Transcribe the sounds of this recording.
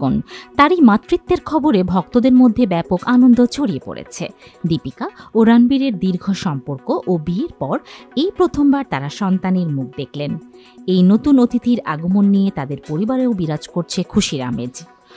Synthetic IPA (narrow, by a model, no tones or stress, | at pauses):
ont̪aɾimat̪ːɾit̪ːeɾkʰɔboɾebʱɔk̚t̪od̪eɾmod̪ʱːebɛpokanond̪ot͡ɕʰoɽiepo̰ɾḛt͡ɕʰe | d̪ipikaoɾanbiɾeɾd̪iɾɡʱoʃɔmpoɾkoʔobieɾpɔɾejpɾot̪ʰombaɾt̪aɾaʃɔnt̪aniɾmuk̚d̪ekʰlen | ejnot̪unot̪it̪iɾa̰ɡomonːijet̪ad̪eɾpoɾibaɾeobiɾad͡ʑkoɾt͡ɕʰekʰuʃiɾa̰mḛd͡ʑ